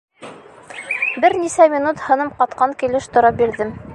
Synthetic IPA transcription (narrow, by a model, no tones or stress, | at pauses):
bɘɾnisæmʲinut̪hɤ̆nɤmqɑt̪qɑŋkilɘʃt̪ŏɾɑp̚biɾðɘm